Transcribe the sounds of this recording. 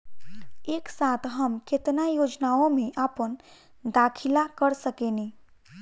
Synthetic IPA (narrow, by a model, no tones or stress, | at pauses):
eːksaːt̪ʰɦəmkɪt̪najoːd͡ʒnaːõmẽʔaːpən | d̪aːkʰɪlakəɾsəkeːne